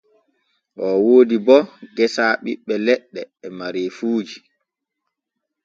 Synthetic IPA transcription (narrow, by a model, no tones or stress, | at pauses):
ʔɔwoːdibɔɡɛsaːɓḭɓːɛlɛɗːɛːmaɾefuːd͡ʒi